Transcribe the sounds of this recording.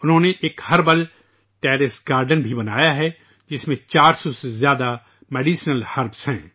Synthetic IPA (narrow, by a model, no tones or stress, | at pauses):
ʊnɦõːneʔeːkhɐɾbəl | ʈɛːɾɪsɡaːɾɖənbʱibɐnaːjaɦɛ | d͡ʒɪsmẽt͡ʃaːɾsɔsezjaːd̪a | mɛːɖiːʃnəlhɐɾbsɦɛ̃ː